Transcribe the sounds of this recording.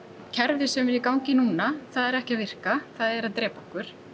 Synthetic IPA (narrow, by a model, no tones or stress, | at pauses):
cʰɛɾvɪsɛmɛɾikawŋcɪnuːnaθaðɛɾɛhcavɪr̥kaθaðɛɾaðt̪ɾɛːpɔhkʏɾ̥